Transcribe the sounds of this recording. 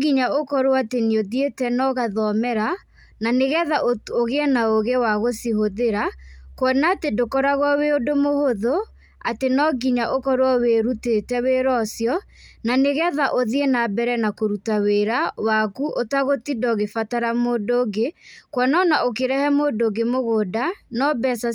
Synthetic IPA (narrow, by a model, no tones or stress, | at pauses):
ɡiɲaokɔɾoatenioðietɛnɔɣaðɔmɛɾa | naneɣɛðaʔooɣeɛnaoɣewaɣosiɦoðeɾakwɔnaːtedokɔɾaɣwɔweodomohoðo | atenɔɡiɲaʔokɔɾwɔweɾutetɛweɾɔsjɔ | naneɣɛðaʔoðienabɛɾɛnakoɾutaweɾawakuʔotaɣotidɔɣefataɾamoːdoːɡekwɔnɔnaok̬eɾɛhɛmoːdoɡemoɣoːdanɔbɛsa